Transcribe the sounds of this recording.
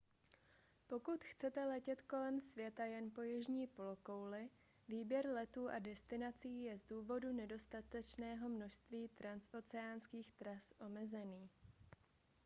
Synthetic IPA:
po̞kut̪xt͡sɛt̪ɛlɛcɛt̪ko̞lɛmsvjɛt̪ajɛnpo̞jɪʒɲiːpo̞lo̞kowlɪ | viːbjɛɾlɛt̪uːʔadɛst̪ɪnat͡siːjɛzduːvo̞dunɛdo̞st̪at̪ɛt͡ʃnɛːɦo̞mno̞ʃst̪viːt̪ɾansʔo̞t͡sɛaːnskiːxt̪ɾasʔo̞mɛzɛniː

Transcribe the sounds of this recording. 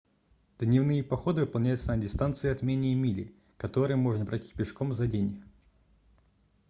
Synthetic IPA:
d̪nʲɪvnɨjəpɐxo̞d̪ɨvɨpɐlˠnʲæjʊt̪sənədʲɪst̪ant̪sɨɪɐt̪mʲenʲɪjəmʲilʲɪ̰ | kɐt̪o̞ɾɨjəmo̞ʐnəpɾɐtʲi̥t̚ʲpʲɪʂkomzɐdʲenʲ

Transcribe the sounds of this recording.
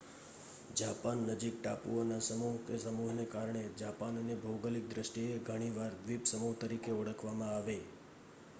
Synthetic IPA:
d͡ʒapanːəd͡ʒik̚ʈapṵonasəmuɦkesəmuɦnekaɾɳed͡ʒapanənebʱəwɡəlik̚d̪ɾəʃʈieɡʱəɽ̃iʋaɾʋipsəmuɦt̪əɾikeɔɽəkʰʋamãaʋe

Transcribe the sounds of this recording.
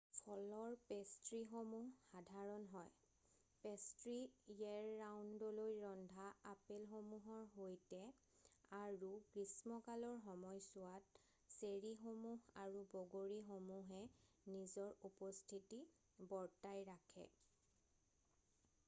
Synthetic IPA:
pʰɔlɔɹpestɹixomuɦːadʱaɹɔnɦɔj | pestɹijɛɹːawndɔlojɹɔndʱaapelxomuɦɔɹɦojtɛ | aɹukɹismɔkalɔɹxɔmɔjsʊwat̚ | seɹixomuɦaɹubɔɡoɹixomuɦɛ | nizɔɹupɔstʰiti | bɔɹtajɹakʰɛ̰

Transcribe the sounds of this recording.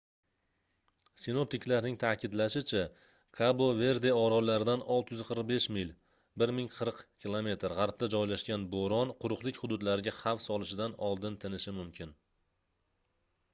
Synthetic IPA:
sɪno̞p̚t̪ɪkʲlaɾnɪŋt̪ʰakʲʰɪd̪laʃɪt͡ʃʰa | kʰabove̞ɾd̪e̞ɒɾɒlaɾɪd̪anɒlˠt̪ɪjzqʰəɾq̚be̞ʃmɪlʲ | bɪɾmɪŋqʰɨɾqkʰʲilˠome̞t̪ʰɪɾʁɑɾp̚t̪ad͡ʒɒjlaʃɡʲanboɾɒnqʰʊɾʊqlˠɪkʲhʊd̪ʊd̪laɾɪɡʲahafsɒlˠɪʃɪd̪anɒlˠd̪ɪnt̪ʰɪnɪʃɪmʊmkʲʰɪn

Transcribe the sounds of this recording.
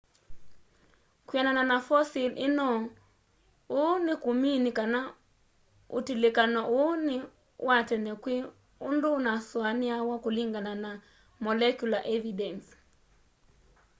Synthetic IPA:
kwanananafɔsilɪnɔ | onɪkuminikana | ṵtilekanɔʔonɪ | wʔatɛnɛkwɪ | undʊnaswanɪawakoliŋɡanana | mɔlɛkjulaʔɛvidɛns

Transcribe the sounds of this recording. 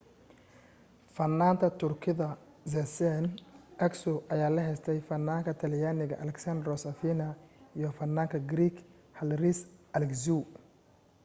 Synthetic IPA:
fɐnːaːnt̪ʰɐt̪ʰʊrkʰɪðɐ | zɛsɛnʔɛksʊʔɐjaːlɐɦɛjst̪ʰɛjfɐnːaːŋkʰɐt̪ʰɐljaːnɪɣɐʔɐlɛksɐnd̪rɔsɐfiːnɐiːjɔfɐnːaːŋkʰɐɡɾiːkʰ | hɐlrisʔɐlɛkzu

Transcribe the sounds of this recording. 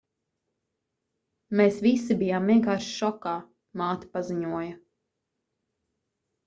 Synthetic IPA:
meːsvisibijaːmːiɛŋkaːɾʃʃɔkaː | maːt̪i̥paziɲuɔjɐ

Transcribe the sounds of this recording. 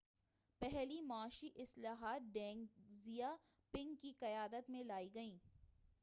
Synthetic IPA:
pɛɦlimaːʃiʔɪslaːɦaːt̪̚ɖɛ̃ːŋzija | pɪ̃ŋɡkiqɐjaːd̪ət̪mẽlaːiɡɐĩː

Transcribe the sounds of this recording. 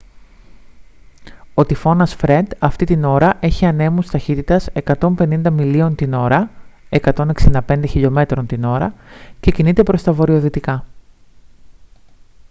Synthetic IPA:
o̞t̪ifo̞nɐsfɾe̞d̪ɐft̪it̪ino̞ɾɐʔe̞çiɐne̞must̪ɐçit̪it̪ɐse̞kɐt̪o̞mpe̞nind̪ɐmilio̞nt̪ino̞ɾɐe̞kɐt̪o̞ne̞ksind̪ɐpe̞nd̪e̞çiʎo̞me̞t̪ɾo̞nt̪ino̞ɾɐ̰ce̞cinit̪e̞pɾo̞st̪ɐvo̞ɾio̞ðit̪ikɐ

